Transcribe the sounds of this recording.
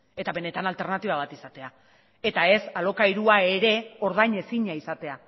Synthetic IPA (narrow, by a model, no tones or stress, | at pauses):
e̞t̪aβe̞ne̞t̪analt̪e̞ɾrnat̪iβaβ̞at̪isat̪e̞a | e̞t̪ae̞salo̞kajɾuae̞ɾe̞o̞ɾð̞ajɲe̞siɲaisat̪e̞a